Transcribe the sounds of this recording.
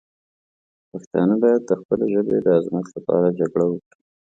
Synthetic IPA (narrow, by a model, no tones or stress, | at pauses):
paxt̪ɑ̰nəbɑjad̪̚ːəxpəleʒəbed̪əazmat̪lapɑ̰ɾad͡ʒaɡɽawəkɽi